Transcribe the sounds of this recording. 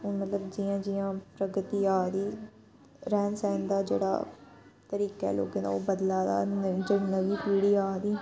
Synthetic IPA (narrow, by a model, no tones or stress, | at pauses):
mət̪ləbd͡ʒijãːd͡ʒɪjãːpɾəɡət̪iːaːd̪iː | ɾɛːnsaɪnd̪aːd͡ʒḛːɽa̰ː | t̪əɾiːkɛ̰ːlo̰ːɡẽd̪a̰obəd̪laːd̪a̰ːd͡ʒəɽnəʋiːpiːɽiːaːd̪iː